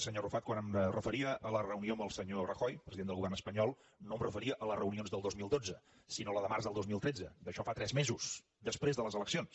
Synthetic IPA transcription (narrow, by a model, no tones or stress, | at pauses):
səɲorufat̪kwanəmrəfəɾiəələrəunioəmbəlˠsəɲorəxɔjpɾəziðenəlɣuβɛrnəspəɲɔlˠ | noəmrəfəɾiəʔələrəunionzðəlˠd̪ozmilˠd̪od͡zə | sinoləðəmaɾrzðəlˠd̪ozmilˠt̪ɾɛd͡zəd̪əʃɔfat̪ɾɛzmezus | d̪əspɾezðələzələksions